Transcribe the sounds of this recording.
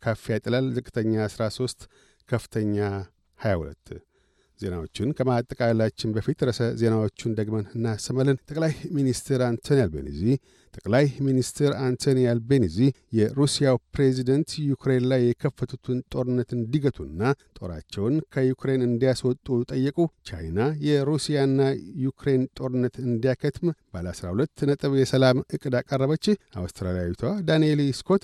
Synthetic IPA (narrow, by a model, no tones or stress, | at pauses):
kʰafːijat̪ʼəlalzɨkʼɨt̪ʰəɲːaːsɾaso̞st̪ | kʰəfɨ̥t̪ʰəɲːa | hajahṵlə̰t̪ː | ze̞̰nawo̞t͡ʃːɪnkʰəmat̪ʼːəkʼalːat͡ʃːɪnbəfit̪ɾəsəze̞nawot͡ʃːɪnd̪əɡmənɨnːasəmələnt̪ʼəkʼlajminist̪ʰɨɾant̪ʰonjalbə̰nḭzih | t̪ʼəkʼlajminist̪ʰɨɾant̪ʰonijalbenizijɛɾusijawpɾezid̪ənt̪jukʰɾe̞nlajːɛkʰəfːət̪ʰut̪ʰɨnt̪ʼo̞ɾɨnːət̪ɨnd̪iɡət̪ʰunːat̪ʼo̞̰ɾa̰t͡ʃːɛwnkʰəjukɾe̞nɨnd̪ijaswɔt̪ʼut̪ʼəjːɛkʼut͡ʃa̰jnajɛɾusijanːajukɾe̞nt̪ʼo̞ɾɨnːət̪ɨnd̪ijakʰət̪ʰmbaləasɾa̰hulət̪ːnət̪ʼɨβjɛsəlamɨkʼːɨd̪akʼərːəβət͡ʃːɪa̰wst̪ʰɾaljawit̪ʰoad̪aneliskʰo̞t̪